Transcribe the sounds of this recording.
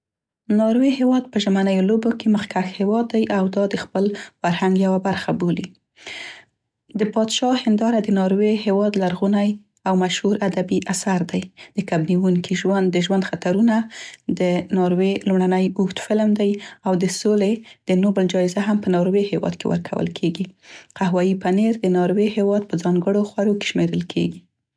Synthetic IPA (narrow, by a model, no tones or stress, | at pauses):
nɑɾweɦewɑd̪̚pəʒəmanəjolobokeməxkaxhewɑd̪ːajʔawd̪ɑd̪əxpəlfaɾhaŋɡjawabaɾxaboli | d̪əpɑd̪ʃɑhɪnd̪ɑɾad̪ənɑɾwehewɑd̪laɾɣunaj | awmaʃhuɾad̪abiʔasaɾd̪ajd̪̥əkabniwuŋkʰiʒwand̪ːəʒwand̪xat̪aɾunad̪ənɑɾwelumɽanəjuxt̪fɪlmd̪ajawd̪əsoled̪̥ənobəld͡ʒɑɪzaɦampənɑɾwehewɑ̰d̪kḛwə̰ɾkʰa̰wə̰lkʰeɡiqaɦwɑjipaneɾd̪ənɑɾwehewɑd̪̚pəd͡zɑŋɡəɽoxwaɾoke̥ʃmeɾəlkʰḛɡi